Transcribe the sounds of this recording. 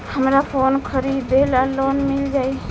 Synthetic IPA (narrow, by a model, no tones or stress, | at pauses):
həmɾapʰonkʰəɾibʱelalonmild͡ʒaj